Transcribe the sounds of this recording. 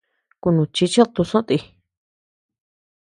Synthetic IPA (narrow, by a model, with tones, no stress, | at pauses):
ku˧nũ˨t͡ʃi˧t͡ʃi˦t̪u˧sõ˦ʔt̪i˧